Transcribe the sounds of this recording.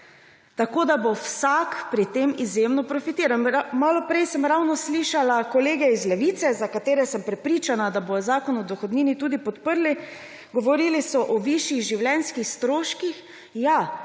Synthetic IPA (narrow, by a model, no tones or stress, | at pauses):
t̪akoːd̪abowsakpɾit̪emizjemnɔpɾɔfit̪iːɾammaːlɔpɾɛjsəmɾawnɔsliʃalakɔleːɡɛizlɛʋiːt̪sɛzakat̪eːɾɛsəmpɾɛpɾiːt͡ʃanad̪abojɔzaːkɔnɔd̪ɔxɔd̪niːnit̪uːd̪ipɔt̪pəɾli | ɡɔʋɔɾiːlisɔʔɔʋiʃiɣʒiwljɛnskixst̪ɾoːʃkix | ja